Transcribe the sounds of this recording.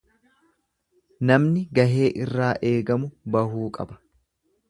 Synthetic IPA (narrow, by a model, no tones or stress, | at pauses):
nɐmnɪɡɐɦe̞ːʔɪrːaːʔe̞ːɡɐmʊbɐhuːkʼɐ̰bɐ̥